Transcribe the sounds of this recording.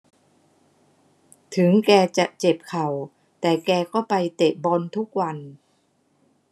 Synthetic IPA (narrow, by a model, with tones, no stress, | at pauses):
t̪ʰɯ˩˦ŋkɛː˧t͡ɕa˨˩ʔt͡ɕe˨˩p̚kʰa˨˩w | t̪ɛː˨˩kɛː˧kɔː˥˩pa˧jt̪e˨˩ʔ̚bɔː˧nt̪ʰu˦˥k̚wa˧n